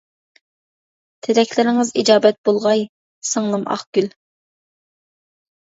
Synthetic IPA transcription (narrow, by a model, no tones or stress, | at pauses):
t̪ʰɪɾɛkʲʰlɪɾɪŋɨzid͡ʒɑːbɛt̪̚b̥olˠʁɑj | səŋlˠɨmʔɑ̰χɡ̥ʲyl